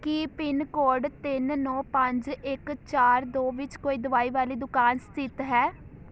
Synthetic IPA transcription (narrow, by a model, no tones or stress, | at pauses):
kiːpɪnkoːɾɖt̪ɪnːɔ̃ːpəɲd͡ʒɪkt͡ʃaːɾd̪oːʋɪt͡ʃkoːiːd̪əʋaːiːʋaːliːd̪ʊkaːnst̪ɪt̪ɦɛː